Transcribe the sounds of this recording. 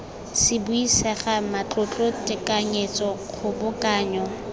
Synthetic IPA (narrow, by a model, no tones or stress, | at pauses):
sɪbʊisɛχamat͡ɬʼʊt͡ɬʼʊtʼɪkʼaɲet͡sɔχʰʊbʊkaːɲɔ